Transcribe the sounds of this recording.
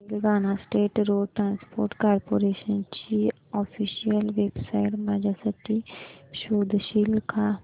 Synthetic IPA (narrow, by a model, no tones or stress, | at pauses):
lɡaːnasʈeːʈɾoːɖʈɾãːnspo̰ːɾʈkaːɾpoːɾeːʃənt͡ʃi | ɔːpʰiːʃijəlʋeːbsaːɪʈmaːd͡ʒasəʈiʃoːd̪ʱʃiːlkʰa